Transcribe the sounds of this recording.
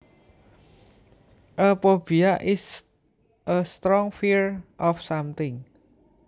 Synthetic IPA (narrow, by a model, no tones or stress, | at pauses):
ʔəpobiaʔɪs | ʔəst̪ɾɔŋfiɹʔɔfsamt̪ɪŋ